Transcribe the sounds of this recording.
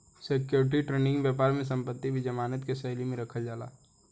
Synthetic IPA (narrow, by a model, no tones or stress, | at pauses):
sekjoːɾʈ̬iʈɾeːnɪ̃ŋɡʋjɛːpaːɾmẽs̬ɐ̃mpət̪ːibʱid͡ʒɐmaːnət̪kesɛːlimẽɾɐkʰəld͡ʒaːla̰ː